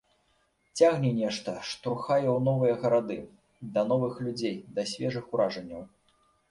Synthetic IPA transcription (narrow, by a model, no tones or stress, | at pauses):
t͡sʲaɣnʲɛnʲɛʂt̪ɐʂt̪ɔxajɛwnɔvɨjɐɣɐɾad̪ɨ | d̪ɐnɔvɨxlʲud͡zʲejd̪ɐsʲvʲɛʐɨxuɾaʐɐnʲːɐw